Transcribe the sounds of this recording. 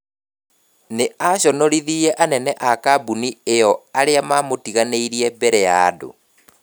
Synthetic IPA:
neaɕɔnɔɾiðiɛʔanɛnɛʔakabuniejɔaɾeamamotiɣaneiɾiɛbɛɾɛjaːdo̰

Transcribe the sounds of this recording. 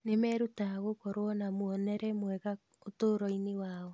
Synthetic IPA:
nemɛɾutaɣokɔɾoɔnamoɔnɛɾɛmwɛɣa | otoɾɔinewaːɔ

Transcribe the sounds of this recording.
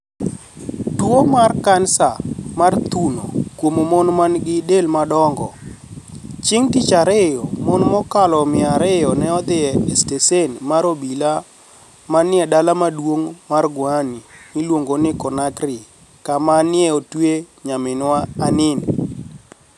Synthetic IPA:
twomarkansamart̪uno̰kwomomɔnmanɡɪdelmadɔŋɡɔ̰ | t͡ʃɪŋtit͡ʃaɾejɔmɔnmɔkalɔmɪaɾɪjɔnɛɔd̪ɪɛɛstesenmaɾobila | manɪadalamadwoŋmarɡʊanimɪlwoŋɡonɪkɔnakrɪ | kamanɪɛotwe | ɲamɪnwaːnɪn

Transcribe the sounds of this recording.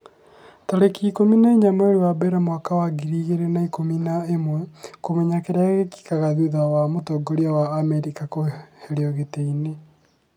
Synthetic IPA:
taɾekiːkominaeɲamaeɾewabɛɾamwakawaɡiɾiɣeɾenaikominaemwɛkomɛɲakeɾeaɣeki̥kaɣaðuðawamotɔɡoɾiawaːmɛɾikakoheɾeɔɣeteine

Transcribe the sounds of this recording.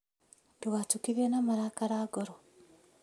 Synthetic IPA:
duɣatukiɾjenamaɾakaɾaːɡoɾo

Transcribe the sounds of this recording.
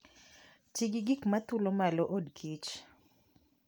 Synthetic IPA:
t͡ʃiɡiɡikmat̪ulomaloʔodkʰit͡ʃ

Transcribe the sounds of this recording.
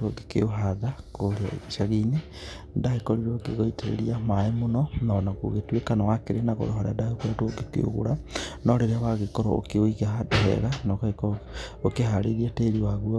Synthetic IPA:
oɡekḛoɦaðakoɾeaḛɣiʃaɣine | daekɔɾiɾoɡeɣoiteɾḛɾiamaemonɔnaɔnako̰ɣetwekanawakeɾenaɣɔ̰ɾoɦaɾadaokwɛtoɡekḛo̰ɣo̰ɾanɔɾeɾeaβaɣekɔɾɔo̰keoiɣaɦadɔɦɛ̰ɣanɔkekɔokehaɾeɾiateːɾiwaɣuɔ

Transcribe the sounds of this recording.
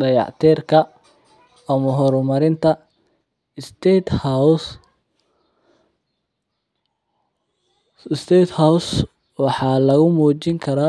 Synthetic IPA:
ɖɐjɑ̰ʕt̪ʰɛːrkʰɐː | mɐɦɔɾɔmɐɾɪnt̪ʰɐ | st̪ɛt̪h | ɪst̪ʰɛːt̪hɐws | wɑħɑːlɐɣʊmuːt͡ʃɪŋkʰɐɾaː

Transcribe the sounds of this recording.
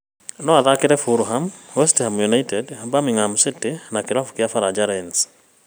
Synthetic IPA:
nɔaðakeɾɛfuɾuɦamwɛstɛhamjunaitɛdabamiŋamsitenakeɾafu̥kiafaɾad͡ʒaɾɛns

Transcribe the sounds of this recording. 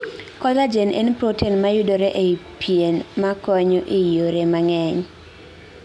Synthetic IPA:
kɔzad͡ʒenʔḛnpɾotinmajudoɾeʔepʰienmakɔɲɔʔɪjoɾemaŋɛɲ

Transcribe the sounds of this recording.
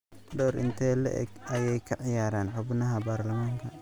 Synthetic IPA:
ɖɔːɾɪ̰nt̪ʰɛːlɛ̰ʔɛ̰ɡɐjɛjkʰɐʕɪjaːɾaːnħʊbnɐɦɐbaːɾlɐmaːŋkʰɐ

